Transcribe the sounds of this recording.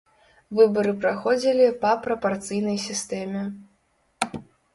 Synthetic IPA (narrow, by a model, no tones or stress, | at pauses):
vɨbɐɾɨpɾaxɔd͡zʲilʲipɐpɾɐpart̪sɨjnɐjsʲist̪ɛmʲɛ